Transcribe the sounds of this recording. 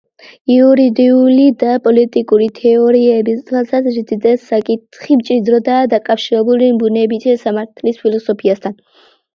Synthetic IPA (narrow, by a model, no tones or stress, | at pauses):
iuɾid̪iulid̪apʼɔlit̪ʼikʼuɾit̪ʰɛɔɾiɛbiasaɾd̪id̪ɛsakʼit̪ʰχimt͡ʃʼid̪ɾɔd̪aːd̪akʼafʃiɾɛbulimbunɛbit̪ʰisamaɾt̪ʰlispʰilˠɔsɔpʰiast̪ʰan